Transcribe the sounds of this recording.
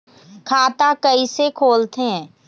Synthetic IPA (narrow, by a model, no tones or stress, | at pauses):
kʰaːt̪akɐisekʰoːlt̪eɦɛ̃ː